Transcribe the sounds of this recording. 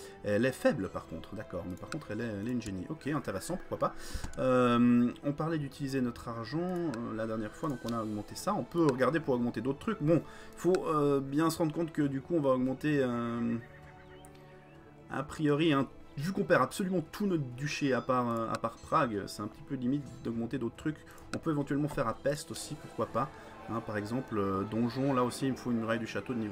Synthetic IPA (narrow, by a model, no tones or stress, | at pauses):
ɛɛlɛfɛblpaʁkɔ̰̃t̪χd̪akɔ̰ːʁmɛpaʁkɔ̃t̪χɛlɛɛlɛynʒeniʔɔkʲeɛ̃t̪eʁɛsɑ̃puʁ̥kwapaømɔ̃paʁlɛd̪yt̪ʰilizenɔt̪χaʁʒɑ̃ølad̪ɛʁnjɛʁfwad̪ɔ̃kɔ̃naɔɡmɑ̃t̪esaɔ̃pøʁəɡaʁd̪epuʁɔɡmɑ̃t̪ed̪ot̪χət̪ʰχykbɔ̃ifoøbjɛ̃səʁɑ̃d̪ʁəkɔ̃t̪kəd̪ykuɔ̃vaɔɡmɑ̃t̪eøm | a̰pχijɔʁiɛ̃ | vykɔ̃pɛʁapsɔlymɑ̃t̪ʰunɔt̪d̪yʃeapaʁøa̰paʁpχaɡ̰sɛt̪ɛ̃pə̥t̪ipølimit̪d̪ɔɡmɑ̃t̪ed̪ot̪χət̪χyk | ɔ̃pøevɑ̃t̪ɥɛlmɑ̃fɛʁapɛst̪osipuʁ̥kwapa | ɛ̃paʁɛɡzɑ̃plød̪ɔ̃ʒɔ̃laosiːlməfoynmyʁajd̪yʃat̪od̪əniv